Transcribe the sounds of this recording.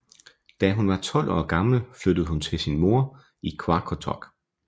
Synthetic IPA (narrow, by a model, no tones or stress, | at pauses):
d̥æɦunʋɑ̈t͡sʰɒ̽l̰ʔɒ̰ːɡ̥ɑ̈ml̩flød̥əð̞̩ˠhunt͡sʰe̝lsinmo̝ɐ | ikʰwɑ̈kʰot͡sʰɒɡ̥